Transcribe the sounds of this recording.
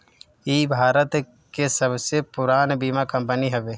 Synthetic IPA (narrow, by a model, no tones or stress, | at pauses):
iːbʱaːɾət̪ | kesəbsepʊɾaːnbiːmakəmpəniɦɛʋeː